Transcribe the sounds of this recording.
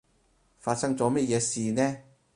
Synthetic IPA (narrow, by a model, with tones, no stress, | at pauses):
faː˧t̚sɐ˥ŋt͡sɔː˨˥mɐ˥t̚jɛː˨˧siː˨nɛː˥